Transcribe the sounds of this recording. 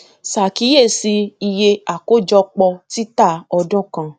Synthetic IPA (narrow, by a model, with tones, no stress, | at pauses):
sa˨ki˨˦je˦˨si˧i˧je˧a˨ko˦d͡ʒɔ˧k͡pɔ˧ti˦ta˦˨ɔ˧dɔ̃˦˨kã˧